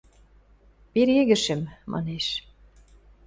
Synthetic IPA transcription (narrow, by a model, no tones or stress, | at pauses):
peɾeɣɘ̆ʃɘ̆mmɑ̰neʃ